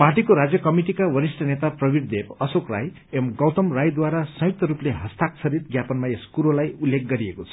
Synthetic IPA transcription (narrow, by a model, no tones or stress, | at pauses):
parʈikoɾad͡zjʌkʌmiʈikawʌɾisʈʌnet̪aprʌbiɽd̪epʌsokra̰j | emɡʌwt̪ʌmrajd̪waɾasʌ̃juk̚t̪ʌɾupleɦʌst̪ak̚t͡sʰʌɾit̪ɡjapʌnmaeskuɾolajulːek̚ɡʌɾiekot͡sʰʌ̥